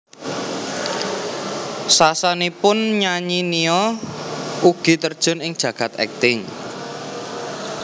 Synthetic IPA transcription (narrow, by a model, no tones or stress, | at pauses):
sasanipʊnɲaɲiniɔ | uɡ̥i̤t̪ərd̥ʒ̥ʊ̤nɪŋd̥ʒ̥ä̤ɡ̥a̤t̪̚ɛ̰k̚t̪ɪŋ